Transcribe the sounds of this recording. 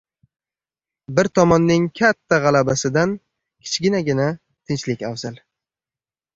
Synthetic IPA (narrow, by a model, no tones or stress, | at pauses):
bɪɾt̪ʰɒmɒnːɪŋkʲʰat̪ʰːaʁɑlabasɪd̪an | kʲʰɪ̥t͡ʃʰɡʲɪnaɡʲɪna | t̪ʰɪnt͡ʃlɪkʲawzal